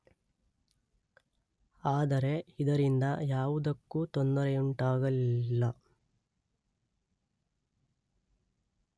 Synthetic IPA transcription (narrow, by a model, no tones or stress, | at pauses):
aːd̪ɐɾe̞id̪ɐɾind̪ɐ̰jaːʋud̪ɐkːut̪ond̪ɐɾɛuɳʈaːɡɐlilːɐ